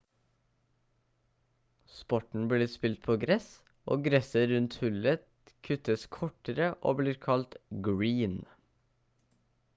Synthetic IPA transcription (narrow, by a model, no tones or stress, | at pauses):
spɔʈɳ̩bliːspɪlt̪̚pʰoːɡɾɛs | ʔo̰ːɡɾɛsəɾʉnt̪hʉlə | kʰʉt̪əskʰɔʈəɾəʔo̰ːbliːɾkʰɑlt̪ɡɹiːn